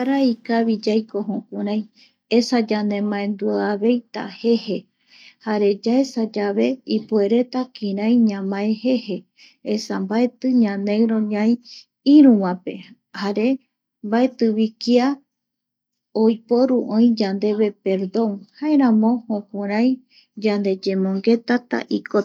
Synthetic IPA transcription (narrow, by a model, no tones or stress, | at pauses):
aɾaikaβid͡ʒajko̞ɦõkʷuɾãj̃ | esad͡ʒand̪ẽ̞mãẽnd̪uaβe̞jt̪a̰he̞he̞ | haɾe̞d͡ʒaesad͡ʒaβe̞ipue̞ɾe̞t̪akĩɾãjɲãmãẽhe̞he̞ | esambae̞t̪ɨɲãnẽ̞ɾõ̞ɲãĩ | iɾũwãpe̞̰ | haɾe̞ | mbaet̪ɨβikia | ojpo̞ɾuʔõĩd͡ʒand̪e̞βe̞pe̞ɾd̪õ̞ŋhaeɾãmõ̞hõkũɾ̃ãj̃ | d͡ʒand̪e̞d͡ʒe̞mõ̞ŋɡe̞t̪at̪a̰ʔiko